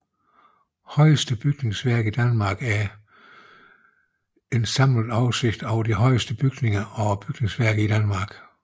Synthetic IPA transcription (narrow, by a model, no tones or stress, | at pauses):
hɒ̽ɪəsd̥əb̥yɡ̥ne̝ŋsʋæɐ̰ɡ̥̩id̥ænmɑ̈ːɡ̥æɐ | e̝nsɑ̈m̰lðˠɑ̈ʊse̝ɡ̥d̥ɒʊd̥iɦɒ̽ɪ̰əsd̥əb̥yɡ̥ne̝ŋɐɒ̽b̥yɡ̥ne̝ŋsʋæɐ̰ɡ̥̩ˠid̥ænmɑ̈ːɡ̥